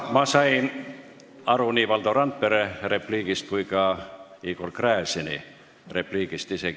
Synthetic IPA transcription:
mɑsɑjn | ɑɾuniːʋɑld̪oɾɑnt̪̚peɾerepliːɡ̥ist̪̚kujkɑiːɡ̥olkræːsinḭ | repliːɡ̥ist̪iseɡ

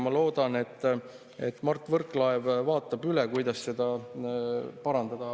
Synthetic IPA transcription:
mɑlo̞ːd̪̥ɑne̞t̪ː | e̞̰t̪ːˑmɑrt̪ːˑvɤrkˑlɑevvɑːt̪ːˑɑbylekujd̪ɑsse̞d̪ɑ | pɑɾɑnd̪̥ɑd̪̥ɑ

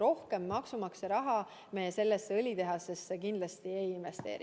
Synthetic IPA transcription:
ɾo̞hke̞mːɑksumɑksɑɾɑɦɑ | mejese̞lːesːɤlʲit̪e̞ɦɑse̞st̪sekind̪lɑst̪iejinve̞st̪e̞̰ːɾi

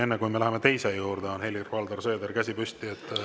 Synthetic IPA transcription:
e̞nːekujme̞læɦemet̪e̞jsejuːɾd̪eonhe̞lʲirvɑld̪ɑrsø̞ːd̪erkæsʲipysʲt̪iet̪ːˑ

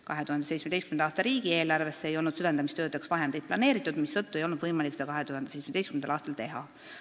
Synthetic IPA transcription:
kɑ̰ɦe̞t̪uhɑnd̪esej̪tsmed̪e̞st̪kymenɑɑːst̪ɑɾiːɡ̥ie̞ːlɑrvesːeejo̞lnud̪̥syvend̪ɑmist̪øːd̪eksvɑɦe̞nd̪ejd̪̚plɑne̞ːɾit̪ːˑud̪̥misːɤt̪ːˑue̞jo̞lnud̪vɤjmɑliksed̪ɑkɑɦe̞t̪uhɑnd̪̥se̞jtsmed̪estkymenɑ̰lɑːst̪ɑlt̪e̞ɦɑ

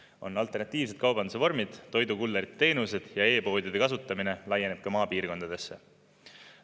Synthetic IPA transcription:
o̞̰nːɑlt̪ernɑt̪ːˑiːv̥s̬e̞t̪̚kɑwbɑnd̪us̬evo̞rmid̪̥t̪o̞jd̪ukulːeɾit̪ːt̪e̞ːnuse̞d̪̥jɑe̞ːpo̞ːd̥̪ʲud̪̥e̞kɑsut̪ˑːɑmine̞lɑjːe̞ne̞b̥̚kɑmɑːpiːrko̞nd̪ɑd̪̥e̞sːe̞

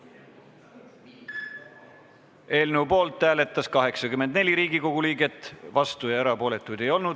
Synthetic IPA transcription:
e̞ːlneupo̞ːlt̪ːæːle̞t̪ːˑɑskɑɦe̞ksɑkymːend̪ne̞lʲiɾiːɡiko̞ɡ̥uliːɡe̞t̪ːˑvɑst̪ujɑeɾɑpo̞ːle̞t̪ːˑujd̪̥e̞jo̞lnud̪̥

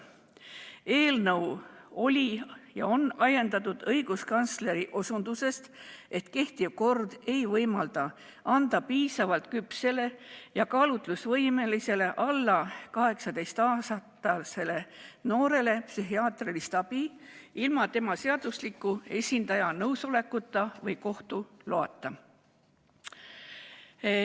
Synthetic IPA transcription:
e̞ːlnɤwo̞lʲijɑ̰o̞nɑjend̪ɑt̪ːˑud̪̥ɤjɡ̥uskɑnt̪sle̞ɾiʔo̞sund̪̥use̞st̪e̞t̪ke̞ht̪ivko̞rd̪̥e̞jvɤjmɑld̪ɑ | ɑnd̪̥ɑpiːsɑvɑlt̪̚kypse̞le̞jɑkɑːlut̪lusvɤjme̞lise̞le̞ʔɑlːɑkɑɦe̞ksɑd̪e̞jst̪ɑːsɑt̪ːɑlse̞le̞no̞ːɾe̞le̞psyɦiɑːt̪rilist̪ɑb̥i | ilmɑt̪e̞mɑseɑd̪̥uslikːˑue̞sʲind̪̥ɑjɑnɤwso̞le̞kːˑut̪ːˑɑvɤjko̞ht̪uloɑt̪ːˑɑ

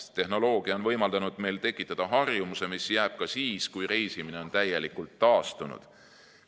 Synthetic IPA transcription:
t̪e̞ɦno̞lo̞ːɡ̥iɑonvɤ̞jmɑld̪̥ɑnud̪̥me̞jlt̪e̞kːˑit̪ːˑɑd̪̥ɑɦɑrjumuse̞misjæːb̥̚kɑsiːskujɾe̞jsimine̞o̞nt̪æje̞likːult̪ːɑːst̪unṵd̪̥

